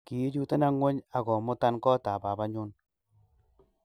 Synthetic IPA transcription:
ki˨je˦t͡ʃu˦te˦na˦ŋwɛ˦ɲa˨kɔ˨mʊ˦ta˦nkɔ˦ta˨ba˨ba˦ɲu˦n

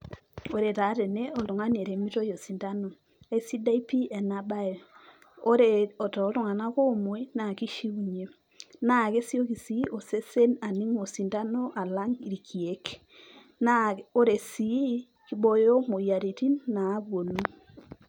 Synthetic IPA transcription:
o˨ɾe˨ta˨˦te˨ne˦o˨lʊ˨ŋa˦ne˨ɾe˨mi˦to˦jo˨si˨nda˦no˨ | a˦i˦si˦da˦i˦pi˦e˨na˦ba˦e˨ | o˦ɾeɔ˨tɔː˨˦lʊ˦ŋa˨na˦ko˦mo˦i˦na˨ki˦ʃi˦u˨ɲe˨˦ | na˦˨ke˦sjo˦ki˨si˨˦ʔo˨se˦se˦na˨ni˦ŋo˨si˨nda˦no˦ʔa˨la˦ŋi˨ɾi˨kʰi˨e˦k | nao˦ɾe˨si˨i˦ | ki˦ɓo˦jo˦mo˨ja˨ɾe˨ti˦nːaː˨˦βwo˨nu˦

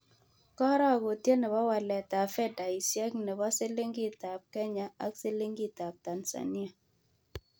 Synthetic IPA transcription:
kɔ˦ɾɔ˦a˨ɡo˨tje˦nɛ˨bɔ˦wa˨lɛ˨ta˨fɛ˦da˨i˨sjɛ˦knɛ˨bɔ˦sɪ˦le˦ŋɡi˦˨ta˨p̚kɛ˦ɲa˨a˦kse˦lɪ˦ŋɡi˦˨ta˨p̚ta˨nsa̰˨ni˦a˨

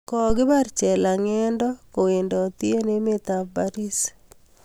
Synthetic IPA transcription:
kɔɡɪ˦baɾt͡ʃɛ˨la˨ŋɛ˦ndɔ˦ko˨we˨ndɔ˨t̪i˦e˦ne˦me˦t̪a˨ba˦ɾi˦s

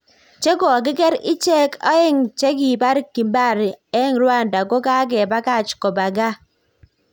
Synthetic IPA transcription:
t͡ʃe˦ɡɔ˨ɡɪ˦kɛ˦ɾɪ˦t͡ʃɛ˦kɔ˦ɪ˦ŋt͡ʃe˦ɡi˨pa˦ɾki˨mba˦˨ɾɛ˦ŋɾwa˦˨nda˨ɡo˦ka˦ɡɛ˨ba˦ka˦˨t͡ʃkɔ˨ba˨ɡa˦

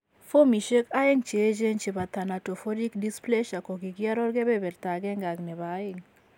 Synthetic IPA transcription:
fo˦mi˨ʃe˦ka˦ɪ˦ŋt͡ʃe˨˦d͡ʒe˦nt͡ʃi˨ba˨t̪a˨na˨to˨fo˦di˦kdi˦sple˦ʃa˨ko˨ɡi˨ɡi˦a˦ɾɔ˦ɾɡe˦be˦bɛ˨ɾt̪a˨ɡɛ˦ŋɡa˨ɡnɛ˨βa˨˦ɪ˨ŋ

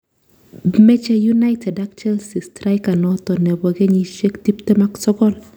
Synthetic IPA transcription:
mɛ˦t͡ʃe˦ju˦na˦ɪtʰɛ˨da˦k̚t͡ʃɛ˦lsi˨stɾa˦jka˨nɔ˨t̪ɔ˨nɛ˨bɔ˨ɡe˦ɲi˦ʃe˦kt̪i˦pt̪e˦ma˦ksɔ˦kɔ˦˨l

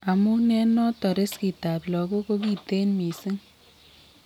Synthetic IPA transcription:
a˨mu˦nɛ˦nɔ˦tɔ˨ɾe˦ski˨ta˨plɔ˨ko˦ko˦ki˨te˦nmi˨si˦ŋ

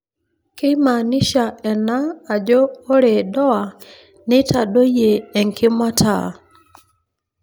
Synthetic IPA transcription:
ke˦ma˨ni˦ʃa˨ɛ˨naː˦˨d͡ʒɔː˦ɾe˨dɔ˦a˨ | ne˦tʰa˨do˦jeː˨ŋkʰɪ˦mwa˦tʰa̰˨

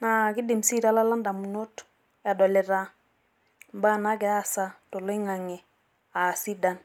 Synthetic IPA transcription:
na˨kɪ˦dɪ˨msi˦ɾa˦la˦la˦nda˨mu˨no˦t | a˨dɔ˨lɛ˨ɾa˦ | mba˦na˦ɡɛ˨˦a˦sa˦tɔ˨lɔ˦ɪ˦ŋa˨ŋɛ˨ | a˨si˦da˨n

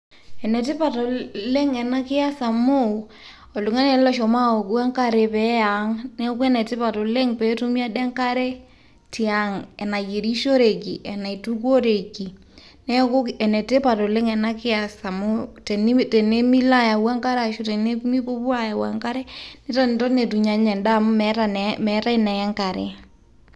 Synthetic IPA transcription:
ɛ˨nɛ˨te˦pa˨tɔ˨le˦ŋɛ˨na˦kɪ˦a˦sa˨mo˦˨ | ɔ˨lu˨ŋa˦nɛ˨˦lɔ˦ʃɔ˨ma˦o˨ka˦ŋka˦ɾe˨pɛ˨˦ja˨ŋnɛ˦ɔ˦ku˦ɛ˦nɛ˨tɪ˦pa˨to˨le˦ŋpɛ˨tu˦mi˦a˦dɛ˦ŋka˦ɾe˦ | ti˨a˨ŋɛ˨na˨je˨ɾi˦ʃo˦ɾe˨ki˨ʔɛ˨na˨i˨tu˦ko˦ɾe˨ki˨ | nɛ˦ko˦kɛ˨nɛ˨te˦pa˨to˨le˦ŋɛ˨na˦kɪ˦a˨sa˨mu˦tɛ˨ni˦tɛ˨ne˦mi˦la˦ja˨wa˦ŋka˦ɾa˨ʃo˦te˨ne˦mi˦po˦pwa˦ja˨wa̰˨ŋka˦ɾɛ˦ne˦ta˦n˨tɔ˦ne˨tu˨ɲa˨ɲɛ˨nda˦˨mu˦mɛa˦nmɛ˨˦ta˦inɛ˨ɛ˦ŋka˨ɾḛ˨

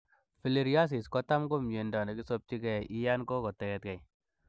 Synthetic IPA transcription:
fi˨li˦ɾja˦s̬i˨skɔ˦ta˦mɡo˦mje˨ndɔ˨nɛ˨ki˦so˦p̚t͡ʃi˦kɛ˨i˦ja˦nkɔ˦kɔ˨tɛ˨jɛ˦t̚kɛ˨j

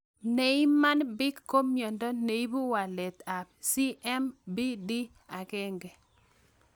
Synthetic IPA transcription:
ne˨i˦ma˦nbɪ˦kːo˦mjɔ˨ndɔ˦ne˨i˦bu˦wa˨lɛ˨t̪a˨b̚si˦ʔɛ˦mbi˦di˦ | a˨kɛ˦ŋɡɛ˨

